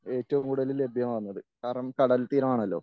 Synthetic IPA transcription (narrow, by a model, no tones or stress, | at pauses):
e̞ːtːɐʋumkuːɽɐlilːe̞bʱjɐmʋaːnːɐðɨkaːrɳɐmkɐɽɐlt̪iːɾɐmaːɳɐlːo̞̰ː